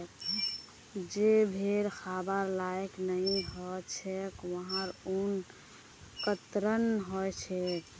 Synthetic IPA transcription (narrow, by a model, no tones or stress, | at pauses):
k | d͡ʒebʱeɾxʰabaɾlajknəiɦɔt͡ʃʰɛkʋəɦãɾun | kət̪ɾənɦɔjt͡ʃʰɛk